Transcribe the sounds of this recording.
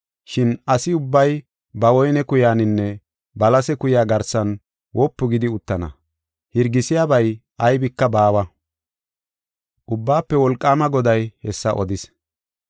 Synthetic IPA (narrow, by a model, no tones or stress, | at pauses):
ʃɪnɐsɪʊbːɐj | bɐwɔjnɛkʊjaːnɪnːɛ | bɐlɐsɛkʊjaːɡɐɾsɐn | wɔpːʊɡɪd̪ɪʊt̪ːɐnɐ̰ | hɪɾɡɪsɪjaːbɐjʔɐjbɪkːɐbaːwɐ | ʔʊbːaːpːɛwɔlkʼːaːmɐɡɔd̪ɐjhɛsːɐ̰ʔɔd̪ɪs